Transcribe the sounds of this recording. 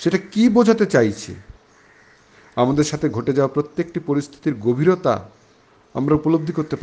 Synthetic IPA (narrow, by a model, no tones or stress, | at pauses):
ʃeʈakibod͡ʑʱat̪et͡ɕajt͡ɕʰḛ | amad̪eɾʃat̪ʰeɡʱoʈed͡ʑawapɾot̪ːek̚ʈipoɾist̪ʰi̥t̪iɾɡobʱiɾot̪a̰ | a̰mɾaupolob̚d̪ʱikoɾt̪epa